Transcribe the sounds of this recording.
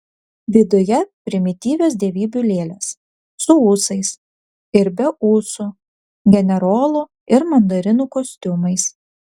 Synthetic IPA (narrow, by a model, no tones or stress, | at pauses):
ʋʲɪd̪ʊjɛpʲɾʲɪmʲɪt̪ʲiːʋʲeːs̬d̪ʲɛʋʲiːbʲʊlʲeːlʲeːs | sʊuːsɐɪs | ɪɾbʲɛuːsʊ | ɡʲɛnʲɛɾoːlˠʊ | ɪɾmɐnd̪oɾʲɪnuːkosʲt̪ʲʊmɐɪs